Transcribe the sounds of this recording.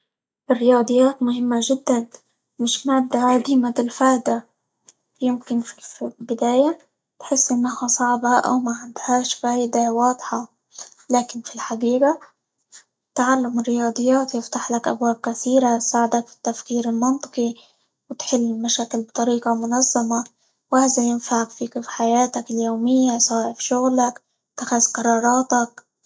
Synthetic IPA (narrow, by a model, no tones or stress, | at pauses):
ʔɪrːɪjɑːd̪ˤɨjːaːt̪mʊhɪmːaʒɪd̪ːan | mɪʃmaːd̪ːaʕad̪iːmabɪlfaːʔd̪a | jɪmkɪnfibɪd̪aːja | t̪ħɪsːʔɪnːahasˤɑʕbɑʔa̰wmaʕɪnd̪haːʃfaːjd̪awɑːd̪ˤħɑ | laːkɪnfilħaɡiːɡa | t̪aʕalːamɪrːɪjɑːd̪ˤɨjːaːt̪jɪft̪aħlakʔa̰bwaːb̚kaθiːɾatsaːʕɪd̪akfi̥t̪ːafkiːɾɪlmɑnt̪ˤɨ̥qi | wɪt̪ħɪlːɪlmaʃaːkɪlbt̪ˤɑɾiːqɑmʊnɑzˤːɑma | whaːzajɪnfaʕakfikɪfħajaːt̪akɪljoːmɪjːasˤaːfʃʊɣlak | t̪axazqɑɾˤɑːɾˤɑːt̪ak̚